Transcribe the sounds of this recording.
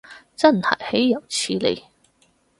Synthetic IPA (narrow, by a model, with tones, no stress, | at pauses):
t͡sɐ˥˩n˨hɐ̰˨˩jhe˨˥jjɐ˨˩wt͡sʰiː˧lḛ˨˩j